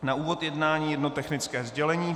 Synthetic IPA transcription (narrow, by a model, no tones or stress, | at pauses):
naʔuːvo̞t̪jɛdnaːɲiːjɛdnot̪ɛxnɪt͡skɛːzɟɛlɛɲiː